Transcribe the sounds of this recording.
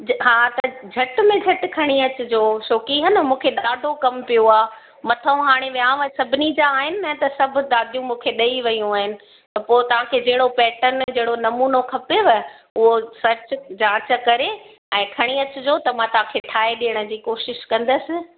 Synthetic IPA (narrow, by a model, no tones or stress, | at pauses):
ɦaːt̪ɐd͡ʑʱɐʈmẽd͡ʑʱɐʈ̆kʰɐɽ̃iɐt͡ɕʊ̆d͡ʑoːʃoːkiɦɐnəmũːkʰeɗaːɖʱokɐmpijoaː | mɐt̪ʰəũɦaːɽ̃eʋjãːʋɐsɐbʱɪnid͡ʑaːɦɪnɪ̆nɐt̪ɐsɐbʱʊ̆t̪aːd̪ʱijũmũːkʰeɗɐiʋɐjũaːɦɪnɪ̆ | t̪ɐpoːɪt̪ɐʋ̤ãkʰeːd͡ʑɐɦɪɽopɛːʈənd͡ʑɐɦɪɽonɐmuːnokʰɐpeʋɐ | ʊɦosɐɾt͡ɕd͡ʑãːt͡ɕə̆kɐɾe | ɛ̃ːkʰɐɽ̃iɐt͡ɕʊd͡ʑoːt̪ɐmãt̪ɐʋ̤ãkʰeːʈʰaːeɗijəɽ̃ə̆d͡ʑiːkoːʃɪʃkɐ̃nd̪əsɪ̆